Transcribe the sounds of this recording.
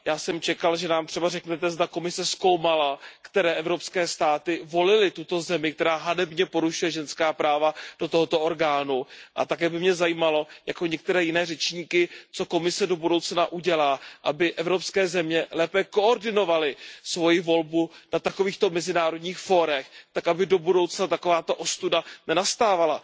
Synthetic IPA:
jaːsɛmt͡ʃɛkalʒɛnaːmt̪r̥ɛbarɛknɛt̪ɛzd̪ako̞mɪsɛsko̞wmalakt̪ɛɾɛːʔɛvɾo̞pskɛːst̪aːt̪ɪvo̞lɪlɪt̪ut̪o̞zɛmɪk̚t̪ɛɾaːɦadɛbɲɛpo̞ɾuʃujɛʒɛnskaːpɾaːvad̥o̞t̪oɦot̪o̞ʔo̞ɾɡaːnuʔa̰t̪akɛːbɪmɲɛzajiːmalo̞jako̞ɲɛk̚t̪ɛɾɛːjɪnɛːrɛt͡ʃɲiːkɪt͡so̞ko̞mɪsɛdo̞budo̞wt͡snaʔuɟɛlaːʔabɪʔɛvɾo̞pskɛːzɛmɲɛlɛːpɛko̞ʔoɾdɪno̞valɪsvo̞jɪvo̞lbunat̪ako̞viːxt̪o̞mɛzɪnaːɾo̞dɲiːxfo̞ɾɛxt̪akʔabɪdo̞budo̞wt͡snat̪ako̞vaːt̪oʔo̞st̪udanɛnast̪aːvala

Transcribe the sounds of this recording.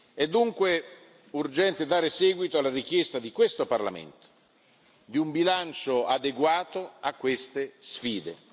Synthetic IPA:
ɛd̪ːuŋkwe | urd͡ʒɛnt̪ed̪aːɾesɛːɡwit̪oalːaɾik̟jɛst̪ad̪ikwest̪oparla̰mḛnt̪o̥ | d̪iumbilant͡ʃoad̪eɡwaːt̪oakːwest̪esfiːd̪ḛ

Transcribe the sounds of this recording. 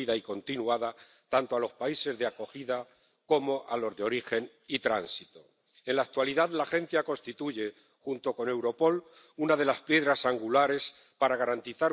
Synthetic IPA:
iðaiko̞nt̪inuaða | t̪ant̪oalo̞spaise̞zðeako̞xiða | ko̞mo̞ʔalo̞zðeo̞ɾixe̞n | it̪ɾa̰nsit̪o̞ | e̞nlaːk̚t̪waliðaðlaxẽ̞n̟θjako̞nst̪it̪uʝe̞ | xunt̪o̞ko̞ne̞wɾo̞po̞l | unað̞e̞laspje̞ðɾasaŋɡulaɾe̞s | paɾaɣaɾant̪iθaɾ

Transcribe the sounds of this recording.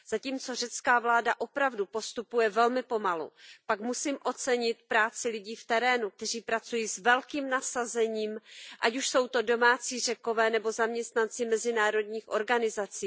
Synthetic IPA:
z̥aciːmt͡so̞rɛt͡skaːvlaːdaʔo̞pɾavdupo̞st̪upujɛvɛlmɪpo̞malṵpakmusiːmʔo̞t͡sɛɲɪt̪pɾaːt͡sɪlɪɟiːft̪ɛɾɛːnuk̚t̪ɛriːpɾat͡sujiːsvɛlkiːmnasazɛɲiːmʔacuʃso̞wt̪o̞do̞maːt͡siːr̝ɛko̞vɛːnɛbo̞zamɲɛst̪nant͡sɪmɛzɪnaːɾo̞dɲiːxʔo̞ɾɡanɪzat͡siː

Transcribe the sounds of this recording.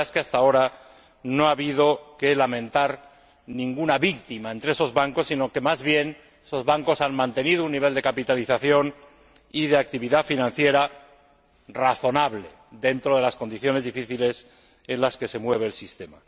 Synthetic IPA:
skeast̪ao̞ɾa | noaβið̞o̞ke̞lamẽ̞nt̪aɾ | nĩŋɡunaβikt̪imae̞nt̪ɾeeso̞zβaŋko̞sːino̞ke̞mazβje̞n | eso̞zβaŋko̞sanmãnt̪e̞nið̞ounːiβ̞e̞ld̪e̞kapit̪aliθaθjo̞n | iðe̞ak̚t̪iβiðafinãn̟θje̞ɾa | raθo̞naβle̞ | ðe̞nt̪ɾo̞ð̞e̞lasko̞nd̪iθjo̞ne̞zðifiθile̞s | e̞nlaske̞se̞mwe̞β̞e̞ːlsist̪e̞ma

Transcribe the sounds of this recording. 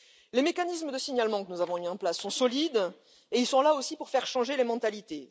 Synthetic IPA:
lemekanisməd̪əsiɲalmɑ̃kənuzavɔ̃yiɑ̃plasːɔ̃sɔlid̪ | eilsɔ̃laosipuʁfɛʁʃɑ̃ʒelemɑ̃t̪alit̪e

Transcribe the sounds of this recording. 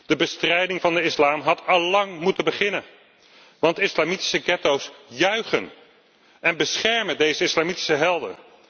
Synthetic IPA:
d̥əbəstrɛjdɪŋvɑndəɪslaːmɦɑtʰɑlːɑŋmutəbəχɪnən | ʋɑntɪslaːmiti̥səɡɛtowsjœɥχə̰n | ʔɛnbəsχɛɹməndejzəɪslaːmiti̥səɦɛlˠdə̰

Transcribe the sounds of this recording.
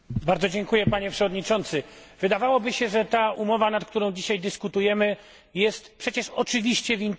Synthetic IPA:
baɾd̪zɔd͡ʑɛŋkujɛpaɲɛpʂɛvɔd̪ɲit͡ʂɔnt̪sɘvɘd̪avawɔbɘɕɛʐɛt̪aʔumɔvanat̪kt̪uɾɔ̃w̃d͡ʑiɕajd̪ɘskut̪ujɛmɘ | jɛst̪pʂɛt͡ɕɛʂɔt͡ʂɘvʲiɕt͡ɕɛvʲint̪

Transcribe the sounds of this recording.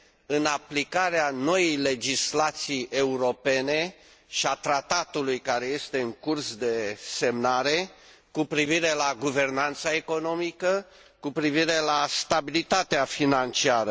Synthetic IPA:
ɨnaplikaɾeano̞jejle̞d͡ʒislat̪sije̞uɾo̞pe̞ne̞ | ʃiat̪ɾat̪at̪ulujkaɾe̞je̞st̪e̞ɨŋkursd̪e̞se̞mnaɾe̞ | kupɾiviɾe̞laɡuve̞rnant̪sae̞ko̞no̞mikə | kupɾiviɾe̞last̪abilit̪at̪eafinant͡ʃiaɾə

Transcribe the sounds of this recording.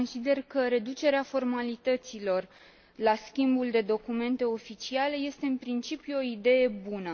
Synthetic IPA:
onsid̪e̞rkəɾe̞d̪ut͡ʃe̞ɾeafo̞rmalit̪ət̪silo̞r | laskʲimbuld̪e̞d̪o̞kume̞nt̪e̞o̞fit͡ʃiale̞je̞st̪e̞ɨnpɾint͡ʃipjuo̞id̪e̞je̞bunə

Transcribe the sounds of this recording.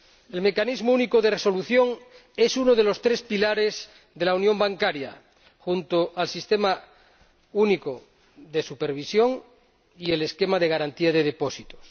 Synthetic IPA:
e̞lme̞kanizmounikoðe̞reso̞luθjo̞ŋ | e̞sunoð̞e̞lo̞st̪ɾe̞spilaɾez | ðe̞launjo̞mbaŋkaɾja̰ | xunt̪oʔalsist̪e̞ma | uniko | ðesupeɾβ̞isjo̞ŋ | ie̞leskemaðeɣ̞aɾant̪iaðe̞ðeposit̪o̥s

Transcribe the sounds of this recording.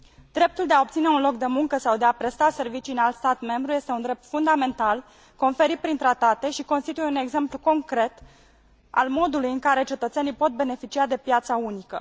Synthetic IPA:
d̪̥ɾe̞p̚t̪uld̪eao̞pt̪sine̞unlo̞k̚d̪e̞muŋkəsawd̪e̞apɾe̞st̪ase̞rvit͡ʃiɨnalt̪st̪at̪me̞mbɾuje̞st̪e̞und̪ɾe̞p̚t̪fund̪ame̞nt̪al | ko̞nfe̞ɾit̪̚pɾint̪ɾat̪at̪e̞ʃiko̞nst̪it̪uje̞une̞ɡze̞mpluko̞ŋkɾe̞t̪ | a̰lmo̞d̪ulujɨŋkaɾe̞t͡ʃe̞t̪ət̪senijpo̞t̪̚be̞ne̞fit͡ʃiad̪e̞pjat̪saunikə̰

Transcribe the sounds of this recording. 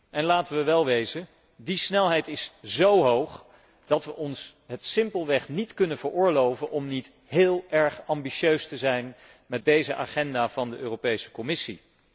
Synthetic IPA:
ʔɛnlaːtəʋəʋɛlˠʋejzən | disnɛlˠɦɛjtɪszowɦowχ | d̥ɑtʋəʔɔnsɦətsɪmpəlˠʋɛχnitkɵnənvəɹʊːɹlowvənʔɔmnit | ɦɪːlˠɛɹχɑmbiʃøɥstəzɛjn | mɛt̚dejzəʔa̰ːχɛndaːvɑndəʔøːropejsə̥kɔmɪsḭ

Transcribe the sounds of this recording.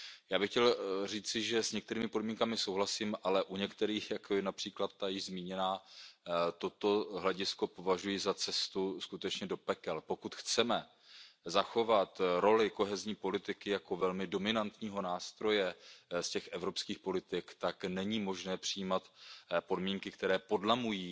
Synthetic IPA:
jaːbɪxcɛlriːt͡sɪʒɛsɲɛk̚t̪ɛɾiːmɪpo̞dmiŋkamɪso̞wɦlasiːmʔalɛʔuɲɛkt̪ɛɾiːxjakʰojɛnapr̥iːklat̪ːajɪʒzmiːɲɛnaː | t̪o̞t̪oɦlɛɟɪsko̞po̞vaʒujɪzat͡sɛst̪uskut̪ɛt͡ʃɲɛdo̞pɛkɛlpo̞kut̪xt͡sɛmɛ | zaxo̞vat̪ɾo̞lɪko̞ɦɛzɲiːpo̞lɪt̪ɪkɪjako̞vɛlmɪdo̞mɪnant̪ɲiːɦo̞naːst̪ɾo̞jɛscɛxʔɛvɾo̞pskiːxpo̞lɪt̪ɪkt̪aknɛɲiːmo̞ʒnɛːpr̝̥ɪjiːmat̪po̞dmiːŋkɪkt̪ɛɾɛːpo̞dlamujiː

